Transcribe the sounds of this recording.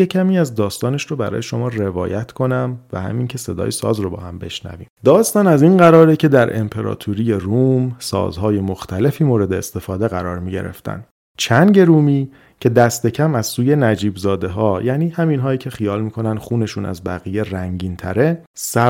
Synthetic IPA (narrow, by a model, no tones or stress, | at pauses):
jecʰæmiːæzd̪ɒːst̪ɒːne̞ʃɾobæɾɒ̰ːjeʃo̞mɒːre̞vɒ̰ːjæt̪ʰkʰo̞næmvæ̰hæ̰mincʰe̞se̞d̪ɒ̰ːjesɒ̰ːzɾobɒ̰ːhæmbe̞̰ʃnæ̰vḭːmd̪ɒːst̪ɒːnæziːnɢæɾɒːɾecʰe̞d̪æɾʔe̞̰mpʰe̞ɾɒ̰ːt̪ʰuɾije̞ruːmsɒ̰ːzɦɒːje̞moxt̪ʰæle̞fiːmoːɾe̞d̪e̞ːst̪e̞fɒːd̪e̞ɣæɾɒːɾmiːɟe̞̰ɾe̞̰ft̪ʰæ̰n | t͡ʃʰænɟe̞ɾuːmiː | cʰe̞d̪æst̪e̞cʰæmæz̥suːje̞næd͡ʒiːbzɒːd̪e̞ɦɒːjæːniːhæminɦɒːiːcʰe̞xijɒːlmiːkʰo̞nænxuːne̞ʃunæ̰zbæɣije̞ɾæŋɟiːnt̪ʰæ̰ɾe̞ | sæ